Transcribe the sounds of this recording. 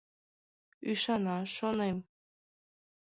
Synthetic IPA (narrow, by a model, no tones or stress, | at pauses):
yʃɑnɑʃonem